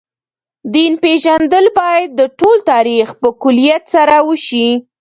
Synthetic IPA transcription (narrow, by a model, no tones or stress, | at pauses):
d̪inpeʒand̪əlbɑjad̪̚ːəʈolt̪ɑɾixpəkʊlijat̪saɾawəʃi